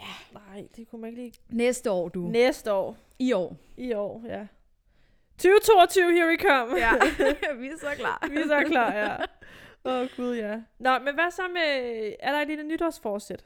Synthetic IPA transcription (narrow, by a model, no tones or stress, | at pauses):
jænɑ̈ɪ̰d̥e̝kʰumæne̝ɡ̥əliː | nesd̥əɒ̰ːd̥unesd̥əɒ̰ː | iɒ̰ːiɒ̰ːjæ | t͡sʰyːʊət͡sʰo̝̰ːɒt͡sʰyʊhiɐʋikʰɒm̰ | ʋisklɑ̰ʋisɒkʰlɑ̈ːjæ | ɔɡ̥uð̞ˠjænɒ̽menʋæsɒ̽meæɐɾ̥ɑ̈e̥lilənyɾ̥ɒsfɒ̥ːsed̥